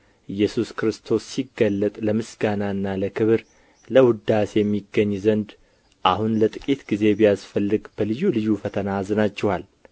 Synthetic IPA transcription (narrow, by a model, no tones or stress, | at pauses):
ʔɨjːɛsuskɾɨst̪ʰo̞sːiɡːəlːət̪ʼləmɨsɡ̥anaɨnːaləkʰɨβɨɾ | ləwʊd̪asjɛmːiɡːəɲːzənd̪ | ʔahunlət̪ʼɨkʼit̪ɡ̥ize̞bijasfəlːɨɡb̥əlɨjːulɨjːufət̪ʰənazɨnat͡ʃːɛwal